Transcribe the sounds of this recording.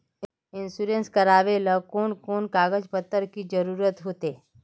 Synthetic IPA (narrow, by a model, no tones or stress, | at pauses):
ɪnsuɾẽnskəɾaːʋelɐkoːnkoːnkaːɡəd͡ʒpət̪ːəɾkid͡ʒəɾuːɾət̪ɦoːt̪eː